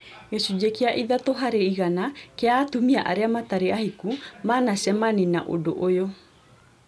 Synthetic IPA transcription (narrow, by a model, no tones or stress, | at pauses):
ŋesud͡ʒekiaʔiðat̪oɦaɾeiɣanakeaːt̪umiaʔa̰ɾeamat̪aɾeahikumaːnasɛmaninaʔo̰do̰ʔojo